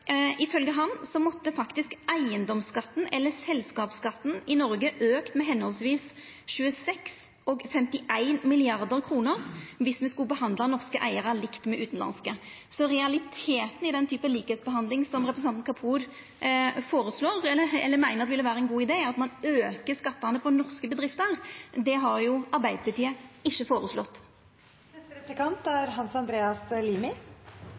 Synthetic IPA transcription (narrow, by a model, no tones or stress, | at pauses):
ɪfœlɡəɦɑnsɔmɔt̪ːəfɑkt̪ɪskæɪənd̪ɔmskɑt̪ːn̩ʔɛlːəsɛlskɑːpskɑt̪ːn̩ɪnɔɾɡəʔøːkt̪mɛɦɛnhɔlsʋiːs | ʃʉːəsɛks | ɔɡfɛmt̪ɪʔæɪnmɪlɪɑɾd̪əɾkʰɾuːnəɾʋɪsmɛskʉlbəhɑnd̪lɑnɔʁskəʔæɪəɾɑlɪkt̪mɛʔʉːt̪n̩lɑ̰nskə | sɔɾɛɑlɪt̪ʰeːt̪n̩ɪd̪ɛnt̪ʰyːpəliːkəheːt̪sbəɦɑnd̪lɪŋsɔmʁɛpɾsnɑnnkʰɑpʰuːɾ | foːɾəsloːʁɛəɛ̰lːəɾmæɪnəʁd̪ɛʋɪlːəʋæːɾəɛnɡuːɪd̪eːɑt̪mɑnøːkəskɑt̪ːɑnəpʰɔnɔɾskəbəd̪ɾɪft̪əɾd̪ɛɦɑɾjʊɑɾbæɪd̪əpʰlət̪iːəɪʃːəfoːɾəslɔ̰t̪ː | nɛst̪əɾɛplɪkɑnt̪æɾɦɑnsɑnd̪ɾeːɑsliːmɪ